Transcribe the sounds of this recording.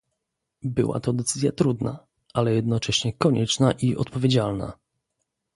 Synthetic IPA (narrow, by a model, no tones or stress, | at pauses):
bɘ̰wa̰t̪ɔd̪ɛt̪sɘzʲjat̪ɾud̪na̰ | ʔalɛjɛd̪nɔt͡ʂɛɕɲɛkɔɲɛt͡ʂnaʔiʔɔ̰t̪pɔvʲed͡ʑalna̰